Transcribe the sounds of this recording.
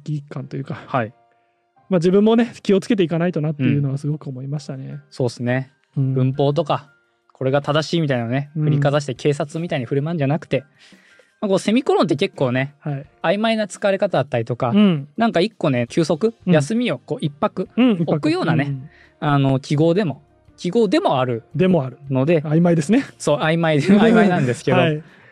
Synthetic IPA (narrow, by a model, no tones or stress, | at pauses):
kʲikːãnt̪o̞jɯ̟ːkahai | mad͡ʑibɯ̟̃mːo̞ne̞kʲio̞t͡sɨ̥ke̞t̪̬eikanait̪o̞nat̪ːejɯ̟no̞βasɨɡo̞kɯomo̞imaɕi̥t̪ane̞so̞ːsɨne̞ | b̥ɯ̟̃mpo̞ːt̪̬o̞ka | kʰo̞ɾe̞ɡat̪ad̪aɕiːmʲit̪ainaone̞ɸɯ̟ɾʲikazaɕ̬i̥t̪ekʰe̞ːsat͡sɨmʲit̪aiɲ̟iɸɯ̟ɾɯ̟mãɲd͡ʑanakɯ̟̥t̪e̞ | mako̞ːse̞mʲiko̞ɾõnt̪̬ːe̞ke̞kːo̞ːne̞haiaimainat͡sɨ̥kaβaɾe̞kat̪ad̪at̪ːaɾʲit̪o̞kanãŋkaikːo̞ne̞kʲɨːso̞kɯ̟jasɨmʲio̞ko̞ːʔipːakɯ̟okɯ̟jo̞ːnane | ano̞kʲiɡo̞ːd̪e̞mo̞ | kʲiɡo̞ːd̪e̞mo̞aɾɯ̟d̪emoaɾɯ̟no̞d̪e̞aimaid̪esɨneso̞ːaimaid̪eamainãnd̪e̞sɨ̥ke̞d̪o̞i